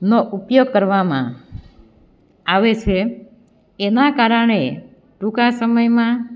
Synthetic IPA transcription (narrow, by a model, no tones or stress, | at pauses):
noʔupjoɡ̚kəɾʋamã̰ | aʋet͡ʃʰeː | nakaɾəɳ̃e | ʈũkasəməjmã